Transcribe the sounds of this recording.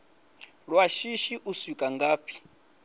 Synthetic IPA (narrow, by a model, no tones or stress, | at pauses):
ɺwaʃiʃiʔusikʼaŋɡaːpʰi̥